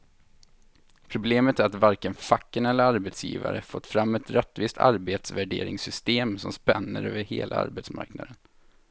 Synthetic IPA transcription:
pʰɾʊbleːmət̪æɾat̪vaɾkənfakːənɛlːəɾaɾbɛt̪sjḭːva̰ɾəfɔt̪ːfɾamːɛt̪ɾɛt̪ːviːst̪ʰa̰ɾbeːt̪svæɖeːɾɪŋsʏst̪eːmsɔmspɛnːəɾø̰ːvəɾheːlʔaa̰ɾbɛt̪sma̰ɾknad̪ən

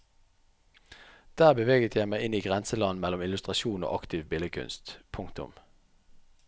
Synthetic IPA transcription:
d̪̥æːʁbəʋeːɡət̪ʰjæɪmæɪɪniːɡʁɛnsəlɑn̩mɛlɔmɪlʉst̪ʁɑʃuːno̰ːʔɑkt̪ʰɪʋbɪləkʰʉ̰nst̪pʰʊŋt̪ʊ̰m

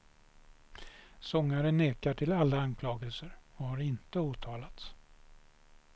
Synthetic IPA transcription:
sɔŋːaɾənːeːkaʈʰɪlalːankʰlɑːɡəlsəɾɔhaɾɪnt̪əuːt̪ʰɑːlat̪s

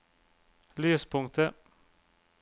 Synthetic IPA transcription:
lyːspʰʊŋkt̪ə

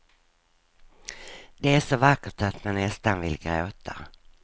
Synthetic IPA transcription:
d̪ɛæʂɔvakːəʈat̪manːɛst̪anvɪ̰lɡɾo̰ːt̪ʰa

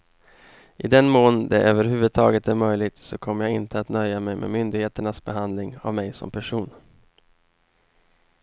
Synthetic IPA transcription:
ʔɪd̪ɛnmoːnd̪ɛʔøːvəɾɦʉ̟ːvɵd̪̚t̪ʰɑːɡət̪æɾmœjlɪɡ̚t̪sɔkʰɔmːəjaɡɪnt̪əat̪nœjːamɛjmʔḛmʏnd̪ɪɡheːt̪əɳasbɛɦand̪lɪŋa̰vmɛjsɔ̰mpʰæʂuːn

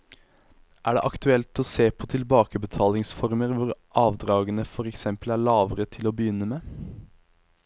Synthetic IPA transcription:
ʔæːɖḛʔɑkt̪ʉɛlt̪ɔseːpʰɔt̪ʰɪlbɑːkəbət̪ʰɑːlɪŋsfɔɾməɾʋʊɾʔɑːʋd̪ɾɑːɡənəfɔɾɛksɛmpəlæːɭɑːʋəɾət̪ʰɪlɔbəjʏnːəmeː

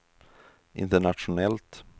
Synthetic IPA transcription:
ʔɪ̰nt̪əɳatʂʊnɛlt̪

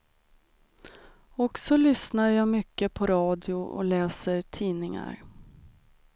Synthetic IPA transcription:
ɔksɔlʏsnaɾjaːmʏkːəpʰɔɾɑːd̪jʊʔɔ̰lɛːsəɾʈʰiːnɪŋa̰ɾ

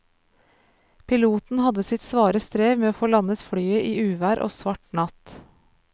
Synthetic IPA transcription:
pʰɪluːt̪n̩hɑd̪əsɪt̪sʋɑːɾəst̪ɾeːʋmeːoːfoːlɑnət̪fɽyːəʔiːʉːʋæːɾʔo̰ːsʋɑʈnɑt̪

